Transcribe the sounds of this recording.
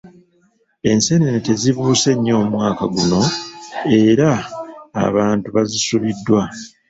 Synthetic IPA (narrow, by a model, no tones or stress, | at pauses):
e̞nse̞nenete̞ziβuːse̞ɲːo̞ːmwaːkaɡuno̞ | e̞ɾa̰ː | βaːntuβazisuβidːwa